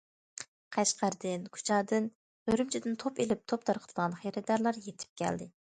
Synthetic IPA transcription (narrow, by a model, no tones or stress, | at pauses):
qʰæʃqæɾd̪ɪnkʰu̥t͡ʃʰɑːd̪ɨn | høɾymt͡ʃʰid̪ɪnt̪ʰopelɪp̚t̪ʰop̚t̪ʰɑɾqʰə̥t̪ʰɨd̪əʁɑnχeɾɪd̪ɑɾlˠɑɾjet̪ʰɪ̥p̚kʲʰɛ̰ld̪ɪ